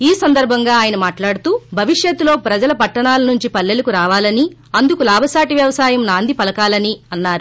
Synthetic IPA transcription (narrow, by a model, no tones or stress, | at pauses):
iːsɐnd̪ɐɾbʱɐŋɡaːaːjɐnɐmaːʈlaːɽut̪uːbʱɐʋiʂjɐt̪ːulo̞ːpɾɐd͡ʒɐlɐpɐʈːɐɳaːlɐnuɲt͡ʃipɐlːe̞lɐkuɾaːʋaːlɐni | ɐnd̪ukulaːbʱɐsaːʈiʋjɐʋɐsaːjɐmnaːnd̪ʱipɐlɐkaːlɐniɐnːaːɾu